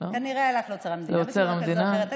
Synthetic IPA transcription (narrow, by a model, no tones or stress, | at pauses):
okaniʁealaleot͡seʁamleot͡seʁamd̪ina